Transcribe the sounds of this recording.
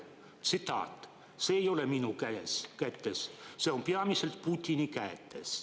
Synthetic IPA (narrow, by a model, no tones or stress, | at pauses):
t̪sit̪ɑ̰ːt̪ | seːejoleminukæeskæt̪ːesseompeɑmiselt̪̚put̪ʲːinʲikæːt̪ːˑes